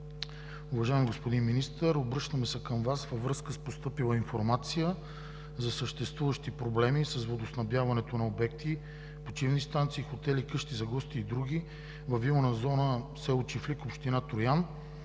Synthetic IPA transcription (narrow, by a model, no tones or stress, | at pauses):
uvɐʒaɛmiɡospod̪inminist̪əɾobɾɤʃnəmɛsɛkəmvasvəvɾɤskəspost̪ɤpilˠəinfoɾmat̪sijə | zɐsəʃt̪ɛst̪vuvəʃt̪ipɾoblɛmisɐzvod̪osnɐbjavɐnɛt̪onɐobɛk̚t̪i | pot͡ʃivnist̪ant̪siːxot̪ɛlikɤʃt̪izɐɡɔst̪iːd̪ɾuɡ̟i | vɐviwnəzɔnəsɛt͡ʃiflikopʃt̪inat̪ojan